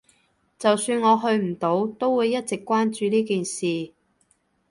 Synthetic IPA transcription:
t͡sɐ˨wsyː˧nŋɔː˨˧ɦɵ˧ɥm̩˨˩t̪o˨˥wt̪o˥wwuː˨˧jːɐ˥t̚t͡sɪ˨kːʷwaː˥nt͡ʃyː˨˧liː˥kiː˨nsiː˨

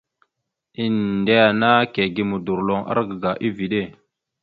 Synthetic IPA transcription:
i˦nde˦ja˨na˦ke˨ɡi˨mu˨du˨ɾlo˨ŋʔa̰˦ɾɡə˨ɡa˨ʔi˦vi˨ɗe˦˨

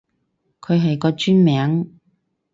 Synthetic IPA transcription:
kʰɵ˨˧ɥɦɐ˨jkɔː˧t͡ʃyː˥nmɛː˨˥ŋ

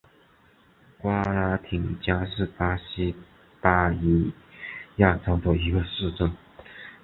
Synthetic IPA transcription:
kwa˥la˥t̪ʰi˨˩ŋt͡ɕja˥ʂɻ̩˥˩pa˥ɕi˥ | pa˥i˧˥ | ja˥˩t͡sʰɑ˥ŋt̪ə˨˩i˧˥ɡə˧ʂɻ̩˥˧ʈ͡ʂə˥˩n

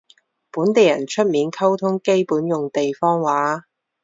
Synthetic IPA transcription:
puː˨˥nt̪e˨jɐ̰˨˩nt͡ʃʰɵ˥t̚miː˨˥nkʰɐ˥wt̪ʰʊ˥ŋke˥jpuː˨˥njʊ˨ŋt̪e˨jfɔː˥ŋwaː˨˥

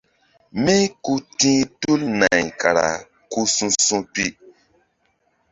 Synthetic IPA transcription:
mĩ˦ku˦tĩ˦tu˦lna˨jka˨ɾa̰˨ | ku˦sũ˦sũ˦pi˦

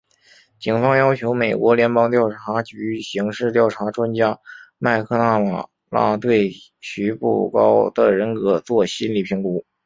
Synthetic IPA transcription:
t͡ɕi˨˩ŋfɑ˥ŋjɑ˥ʊt͡ɕʰjo˧˥ʊme˨˩ɪkwɔ˧˥ljɛ˧˥npɑ˥ŋt̪jɑ˥˩ʊʈ͡ʂʰa˧˥t͡ɕy˧˥ɕi˧˥ŋʂɻ̩˥˧t̪jɑ˥˩ʊʈ͡ʂʰa˧˥ʈ͡ʂwa˥nt͡ɕja˥ma˥˧ɪkʰɤ˥˧na˥˩ma˨˩ | la̰˥t̪we˥˩ɪ | ɕy˧˥pṵ˥˩kɑ˥ʊd̪ə̰˨ɻə˧˥nkɤ˧˥t͡swɔ˥˩ɕi˥nli˨˩pʰi˧˥ŋku˧˥

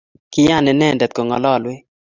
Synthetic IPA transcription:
kɪ˦ja˦˨nɛ˨nɛ˦˨ndɛ˨t̪̚ko˨ŋɔ̰˨lɔ˦˨lwɪ˦

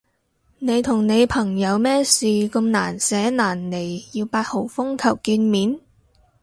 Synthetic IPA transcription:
ne˨˧jt̪ʰʊ˨˩ŋne˨˧jpʰɐ˨˩ŋjɐ˨˧wmɛː˥siː˨kɐ˧mna̰ː˨˩nsɛː˨˥naː˨˩nle˨˩jjiː˧wpaː˧t̚ho˨˩wfʊ˥ŋkʰɐ˨˩wkiː˧nmiː˨˥n

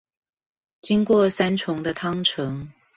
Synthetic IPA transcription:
t͡ɕi˥ŋkwɔ˥˨˩sa˥nʈ͡ʂʰʊ˧˥ŋd̪ə˧t̪ʰɑ˥ŋʈ͡ʂʰɤ˨˥˦ŋ

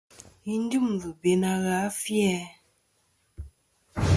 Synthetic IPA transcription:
i˦n˦du˦˨m˨vu˨be˨na˨ɣa˨˦fjɛ˦

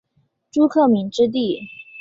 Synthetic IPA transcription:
ʈ͡ʂu˥kʰɤ˥˩mi˧˥ŋʈ͡ʂɻ̩˥t̪̬i˥˩

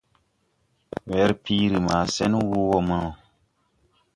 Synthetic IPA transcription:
wɛ˨˦ɾpiː˦ɾɨ˨maː˨sɛ˦n˦wo˦ɣɔ˦mɨ˦nɔ˨

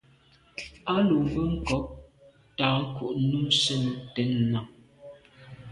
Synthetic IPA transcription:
a˦lu˨bə˦ŋ̩˦˨kɔ˨˦ʔ̚ | taː˨ŋ̩˦ku˨ʔnu˦sə˦˨n˨tɛ˨˦n̩ː˨a˨ŋ

